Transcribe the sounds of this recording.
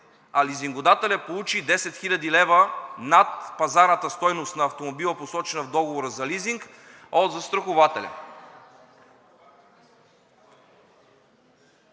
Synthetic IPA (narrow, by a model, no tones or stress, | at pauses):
aliziŋɡod̪at̪ɛlʲapolˠut͡ʃid̪ɛsɛt̪xilʲɐd̪ilɛvənat̪pɐzaɾnət̪əst̪ɔjnost̪nɐːft̪omobilˠəposɔt͡ʃɛnɐvd̪ɔɡovoɾəzɐliziŋk | od̪zɐst̪ɾɐxovat̪ɛlʲɐ̰